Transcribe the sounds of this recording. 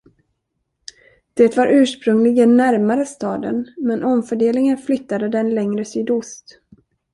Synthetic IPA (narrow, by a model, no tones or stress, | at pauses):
d̪̥eːt̪vaɾʔʉ̟ːʂpɾɵŋlɪɡd̪ɛnːæɾmaɾəst̪ɑːd̪ə̰nmɛnʔɔmfœɖeːlɪŋənflʏt̪ːad̪əd̪ɛnlɛŋɾəsyːd̪ʊst̪